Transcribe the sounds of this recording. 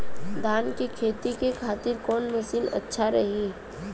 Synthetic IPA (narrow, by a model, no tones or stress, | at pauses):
d̪aːnkikʰeːt̪ikekʰaːt̪ɪɾkɔːnmɐsiːnɐ̰tːʃʰaɾɐɦiː